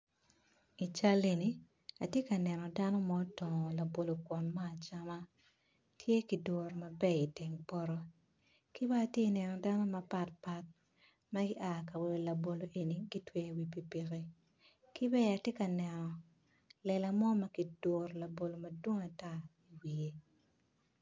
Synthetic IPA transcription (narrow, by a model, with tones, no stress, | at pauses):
i˨t͡ʃa˦le˨ni˨ | a˨tje˦ka˨nɛ˨nɔ˨da˦nɔ˦mɔː˦tɔ˨ŋɔ˨la˨bo˨lo˨kwɔ˨nmaː˦˨t͡ʃa˦ma˦ | tʰje˦ki˨do˨ɾmɐ˨bɛ˦i˨tɛ˨ŋpɔ˦ɾɔ˦ | ki˦baː˦˨tje˦˨nɛ˨nɔ˨da˦nɔ˦mɐ˨pa˦t̚pa˦t̚ | ma˦ɡɪ˦ʔa˨ka˨we˨o˨la˨bo˨lo˨ʔe˨ni˨ɡi˦twɛ˨wi˨pi˨pi˨ɣi˦ | ki˦bɛ˦a˨tje˦ka˨nɛ˨nɔ˨ | lɛ˨la˨mɔ˦ma˦ki˨d̥o˨rla˨bo˨lo˨mɐ˨dwo˦ŋa˨ta˦i˨wi˨je˦